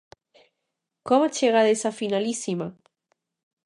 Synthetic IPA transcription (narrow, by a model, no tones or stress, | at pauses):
kɔmat͡ʃeɣ̞aðesafinalisima